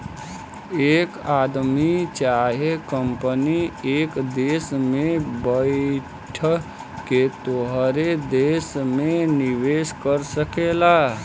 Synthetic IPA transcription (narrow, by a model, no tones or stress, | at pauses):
ekad̪mit͡ʃaɦekəmpəniekd̪esmebəɪ | ʈʰə | ket̪oɦɾed̪esmeniʋeskəɾsəkela